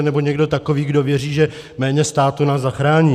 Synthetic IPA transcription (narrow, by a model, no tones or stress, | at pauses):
nɛboɲɛɡdo̞t̪akoviːɡdo̞vjɛriːʒɛ | mɛːɲɛst̪aːt̪unaːzzaxɾaːɲiː